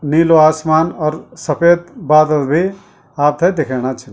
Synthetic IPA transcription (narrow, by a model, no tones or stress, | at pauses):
niːloaːsmaːnɔɾsɐpeːd̪baːd̪əlbʱi | aːp̚t̪ʰɐjd̪ekʰeːɽ̃at͡ʃʰin